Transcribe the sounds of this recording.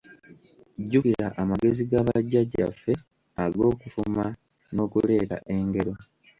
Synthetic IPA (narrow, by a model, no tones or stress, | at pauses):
ɟukiɾa̰ʔamaɡe̞ziɡaβaɟːaɟːa̰fːe̞ | aɡo̞ːkufuma | no̞ːkule̞ːɾa̰ʔe̞ŋɡe̞ɾo̞